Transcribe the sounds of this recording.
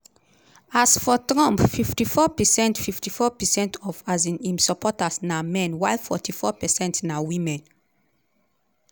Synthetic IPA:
asfɔtɹɔ̃mpfiftifɔpɛsɛ̃ntfiftifɔpɛsɛ̃ntʰɔfazĩnĩmsɔpʰɔtasnamɛ̃nwajlfɔtʰifɔpɛsɛ̃ntnawĩmɛ̃n

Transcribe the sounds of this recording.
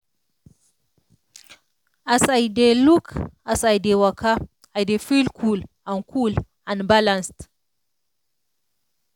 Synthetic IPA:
ʔasajdelukasajdewaka | ajdefilkʰul | ankʰul | anbalanst

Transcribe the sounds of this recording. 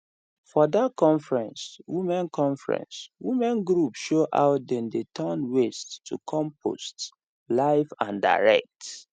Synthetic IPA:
fɔdat̚kʰɔ̃ɱfɹɛ̃nswimɛ̃nkʰɔ̃ɱfɹɛ̰̃nswimɛ̃nɡɹupʃoʔa̰ʊt̚dɛ̃ndetʰənwestʰːṵkʰɔ̃mpʰo̰st | laɪfãnda̰ɹɛ̰k̚t

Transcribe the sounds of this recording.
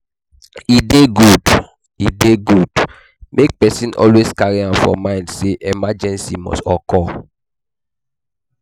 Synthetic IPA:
ideɡud | ideɡud | mʔek̚pɛsĩnʔɔ̰lweskaɹiãmfɔ̰̃mãɪ̃ndseʔɛmad͡ʒɛ̃nsimɔ̰stɔkɔ

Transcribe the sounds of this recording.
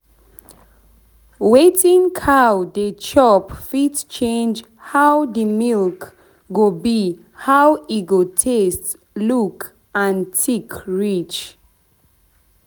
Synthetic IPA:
wetĩŋkʰawdət͡ʃɔpfitt͡ʃẽnd͡ʒ | hawdəmilk | ɡobi | hawiɡotʰest | luk | ãntʰikʰɹit͡ʃ

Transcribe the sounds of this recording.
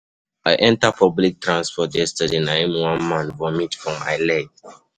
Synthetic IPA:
aɪʔɛ̃ntapʰɔblik̚tʰɹãnspɔtjɛstadenaɛ̃mwãnmãnθvɔmĩtfɹɔ̃ma̰ɪlɛt

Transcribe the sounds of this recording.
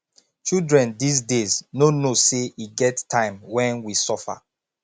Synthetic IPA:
t͡ʃildɹɛ̃ndis̬deznonoseiɡɛttʰːãɪ̃mwɛ̃nwisɔfa̰

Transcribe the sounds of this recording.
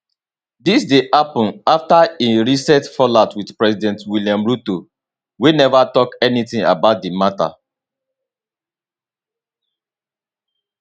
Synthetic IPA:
disdehapɔ̃naftaeɹisɛtfɔlatwidpɹɛsidɛ̃ntwiljãmɹuto | winɛvatɔkɛnitĩŋa̰baʊt̚dimata̰

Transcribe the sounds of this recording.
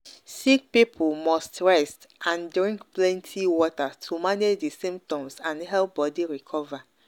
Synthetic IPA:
sik̚pipʰulmɔstɹɛstʔãndɹĩŋkplɛ̃ntʰiwɔtatʰumaned͡ʒdesĩmp̚tɔ̃msãnhɛlp̚bɔdiɹikʰɔva

